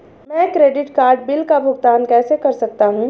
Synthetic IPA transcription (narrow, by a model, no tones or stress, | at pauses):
mɛ̃kɾeːɖɪʈkaːɾɖ̚bɪlkabʱʊɡt̪aːnkɛːsekɐɾsɐk̚t̪aɦũ